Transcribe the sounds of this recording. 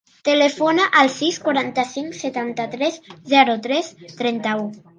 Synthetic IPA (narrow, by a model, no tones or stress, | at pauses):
t̪elefonaʔəlˠsiskwaɾant̪əsiŋkset̪ant̪ət̪ɾɛzzɛɾut̪ɾɛst̪ɾɛnt̪əu